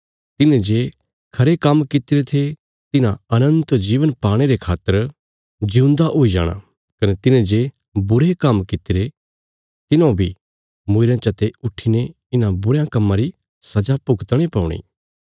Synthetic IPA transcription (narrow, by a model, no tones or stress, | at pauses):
t̪ɪnẽd͡ʒeː | kʰɐɾekɐmkɪt̪ɪɾet̪ʰe | t̪ɪnãɐnə̃nt̪d͡ʒiːʋənpaːɽ̃eɾekʰaːt̪ːəɾ | d͡ʒiũnd̪aʔoːid͡ʒa̰ːɽ̃a̰ | kɐnet̪ɪned͡ʒe | bʊɾekɐmkɪt̪ɪɾe | t̪ɪnãbʱi | mʊɪɾãt͡ʃɐt̪eʊʈʰːine | ɪnãbʊɾjãkɐmːãɾi | sɐd͡ʒapʊɡt̪ɽ̃ipɐʊɽ̃ḭː